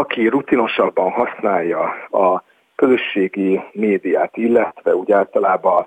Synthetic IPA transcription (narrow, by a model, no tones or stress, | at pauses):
ɒkirut̪ino̞ʃɒbːɒnɦɒsnaːjːɒɒ | kø̞zø̞ʃːeːɡimeːd̪ijaːt̪ilːɛt̪ʋɛuːɟaːlt̪ɒlaːbɒ